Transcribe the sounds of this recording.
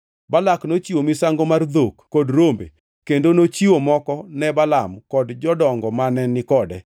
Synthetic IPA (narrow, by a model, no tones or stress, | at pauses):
balaknot͡ʃiwomɪsaŋɡomard̪okːodɾombḛ | kendonot͡ʃiwomɔkɔnɛbalamkɔdd͡ʒɔdɔŋɡɔmanɛnːɪkɔdɛ̰